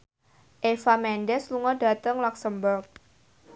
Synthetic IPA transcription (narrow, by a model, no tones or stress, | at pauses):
ʔefamɛnɖɛsluŋɔda̤t̪əŋlaksəmbərk̚